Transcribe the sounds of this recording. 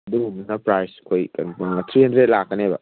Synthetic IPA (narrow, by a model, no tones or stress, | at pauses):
duumnɐpɾajskʰojkɐnɐŋɐt̪ʰɾihɐndɾet̚lakːɐnebɐ̰